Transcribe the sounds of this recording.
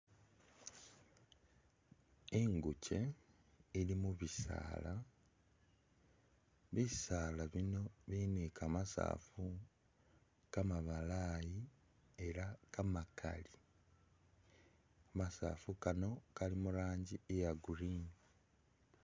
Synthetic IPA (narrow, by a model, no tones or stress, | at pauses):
eŋɡuce̞ | ilimuβisa̰ːla | βisaːlaβino̞βinikʰaːmasa̰ːfu | kamaβalaːji | e̞ɾakamakʰa̰li | amasa̰ːfukano̞kalimuɾaːɲɟiejaɡuɾin